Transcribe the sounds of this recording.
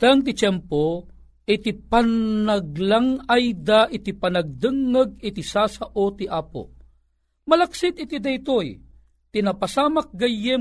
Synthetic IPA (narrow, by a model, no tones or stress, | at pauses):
t̪aŋt̪̬it͡ʃɛmpo | ɪt̪ipanɐɡlaŋajd̪aʔɪt̪ipɐnɐɡ̚d̪ɨŋːəɡɪt̪isasaʔot̪iʔaːpo̰ | mɐlɐksɪt̪ɪt̪id̪ɐjt̪oj | t̪inapɐsaːmak̚ɡɐjɛ